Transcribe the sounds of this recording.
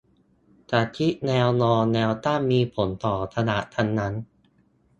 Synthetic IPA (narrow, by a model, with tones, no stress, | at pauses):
t̪ʰaː˨˩t̪ʰi˦˥ʔ̚nɛː˧wnɔː˧nːɛː˧wt̪aː˥˩mmːiː˧pʰo˩˦nt̪ɔː˨˩t̪ʰa˧na̰˨˩ʔt̪ʰa˧nːa˦˥n